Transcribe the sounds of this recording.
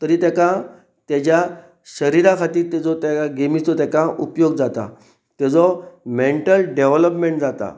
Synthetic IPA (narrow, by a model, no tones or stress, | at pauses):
t̪əɾiːt̪jakã | t̪jat͡ɕja | ɕəɾiɾãkʰat̪iːɾt̪ɛd͡zɔt̪jakaɡemist̪ɔt̪jakãupjoɡd͡zat̪a̰ | t̪ɛd͡zɔmeɳʈəlɖeʋləpmẽɳʈd͡zat̪a̰